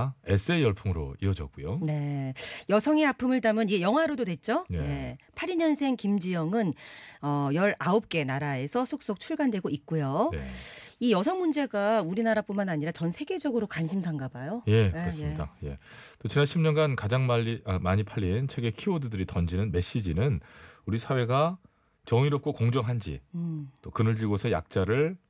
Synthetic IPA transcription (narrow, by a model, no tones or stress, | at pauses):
es͈ɯejʌɭpʰoŋɯɾo̰iʌd͡ʑʌk̚k͈ujone̞jʌsʰʌŋeapʰɯmɯɭdamɯniɡe̞jʌŋɦwaɾododwe̞t̚t͡ɕ͈onje̞pʰaɾiɲʌnsʰe̞ŋkimd͡ʑijʌŋɯnʌjʌɾaop̚k͈e̞naɾae̞sʰʌsʰok̚s͈ok̚t͡ɕʰuɭɡandweɡoik̚k͈ujo | ijʌsʰʌŋmund͡ʑe̞ɡauɾinaɾap͈unmanaɲiɾat͡ɕʌnsʰe̞ɡe̞d͡ʑʌɡɯɾokanɕʰims̬ʰaŋɡabajoje̞kɯɾʌsmɲidaje̞̰t͈ot͡ɕinanɕʰimɲʌnɡankad͡ʑaŋmaʎːimaɲipʰaʎːient͡ɕʰe̞ɡe̞kʰiodɯdɯɾitʌnd͡ʑinɯnme̞ɕ͈id͡ʑinɯnuɾisʰawe̞ɡa | t͡ɕʌŋiɾop̚k͈okoŋd͡ʑʌŋɦand͡ʑḭt͈okɯnɯɭd͡ʑiɭɡosʰe̞ja̰k̚t͡ɕ͈aɾɯɭ